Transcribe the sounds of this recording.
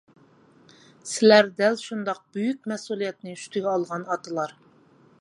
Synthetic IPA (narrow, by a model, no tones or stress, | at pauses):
sɪlæɾd̪ælʃund̪ɑq̚b̥yjyk̚ʲmɛsulˠijɛt̪nɪy̥ʃt̪yɡʲɛɑlˠʁɑnɑt̪ɨlˠɑɾ